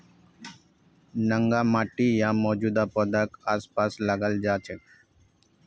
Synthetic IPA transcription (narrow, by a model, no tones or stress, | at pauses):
nəŋɡaːmaːʈijãːmɔːd͡ʒuːd̪aːpoːd̪əkaːspaːsləɡəld͡ʒaːt͡ʃʰek